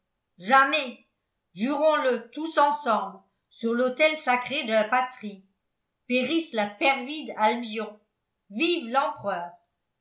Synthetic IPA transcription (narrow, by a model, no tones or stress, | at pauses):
ʒamɛ | ʒyʁɔ̃lət̪usɑ̃sɑ̃bl | syʁlot̪ɛlsakχed̪əlapat̪χi | peʁislapɛʁvid̪albjɔ̃ | vivlɑ̃pχœːʁ